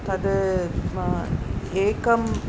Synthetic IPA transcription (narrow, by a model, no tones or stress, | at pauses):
t̪ɐɖə | eːkɐm